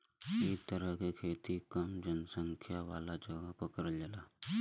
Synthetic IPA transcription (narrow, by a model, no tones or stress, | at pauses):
eːk̚t̪əɾəɦkekʰeːt̪ikəmd͡ʒənsə̃ŋkʰjaʋaːlad͡ʒɐɡapəkəɾd͡ʒəlaː